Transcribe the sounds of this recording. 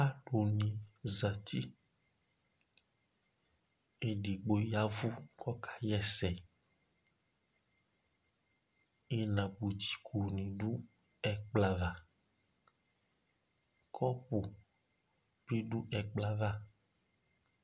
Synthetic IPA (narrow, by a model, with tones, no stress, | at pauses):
a˦ɖo˨nĩ˨za˨t̪i˦ | e˨ɖi˨ɡ͡bo˨ja˦vu˦kɔ˦kʰḁ˨jɛ˦sɛ˨ | e˦nã˨bu˨t̪i̥˨kʰu˨nĩ˨ɖu˦ | ɛ˨k͡pla˨va˨ | kʰɔ˦pu˨ | be˦ɖu˦ʔɛ˨k͡pla˦va˦